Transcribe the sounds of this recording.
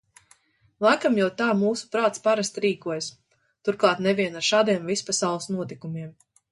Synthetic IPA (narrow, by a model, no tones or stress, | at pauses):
lˠakamjɛwt̪aːmuːsu̥pɾaːt̪spaɾast̪ɾiːkuɔjas | t̪uɾklˠɑːt̪nɛvʲiɛnaɾʃaːd̪iɛmvispasawlˠsnuɔt̪ikumiɛm